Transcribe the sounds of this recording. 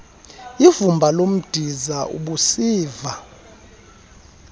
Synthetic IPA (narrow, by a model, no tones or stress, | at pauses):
ivumbʱalom̩d̥ʱizaʔṵɓusiːva